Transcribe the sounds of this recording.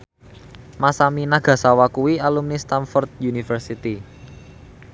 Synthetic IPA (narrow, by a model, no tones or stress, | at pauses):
masaminaɡ̥ä̤sawakuwialumnist̪anfɔrt̪̚junifərsit̪i